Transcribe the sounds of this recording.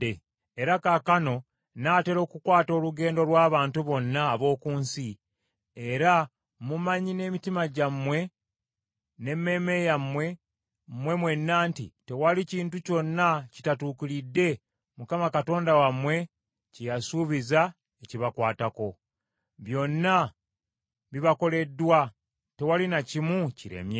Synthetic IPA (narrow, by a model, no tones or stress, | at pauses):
e | eɾakakano̞ | naːte̞ɾo̞ːkukwaːto̞ːluɡe̞ːndo̞lwaːβaːntuβo̞nːaːβo̞ːkuːnsi | eɾa | mumaɲine̞mitimaɟamwe̞ | ne̞mːe̞ːme̞jamwe̞ | mwe̞mwe̞nːaːntite̞waliciːntuco̞nːaci̥tatuːkulidːe̞ | mukamakato̞ːndawamwe̞ | cijasuːβiza | eciβakwaːtako̞ | βjo̞nːa | βiβako̞le̞dːwa | te̞walinacimuciɾḛmje